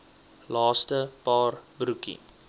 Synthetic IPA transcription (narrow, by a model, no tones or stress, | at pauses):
lɑːstəpɑːrbɾukḭ